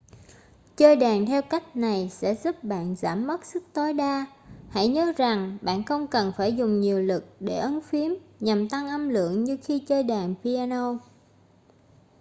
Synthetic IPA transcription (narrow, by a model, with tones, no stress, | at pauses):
t͡ɕəː˧jɗaː˨˩ŋt̪ʰɛ˧wka˦˥jk̟̚na˨˩jsɛ̰˧˥zu˦˥p̚ɓa̰ː˧˨nza̰ː˧˩mːə˦˥t̚sɨ˦˥k̚t̪o˨˦jɗaː˧ | ha̰˧˥jɲəː˨˦za˨˩ŋɓa̰ː˧˨nxə˧wŋ͡mkə˨˩nfaː˧˩jzʊ˨˩ŋ͡mɲi˨˩əwlɨ˨˩k̚ɗe˧˩ʔə˨˦nfi˨˦əmɲa˨˩mt̪a˧ŋʔə˧mlɨ̰˧˨əŋɲɨ˧xi˧t͡ɕəː˧jɗaː˨˩ŋpi˧aː˧no˧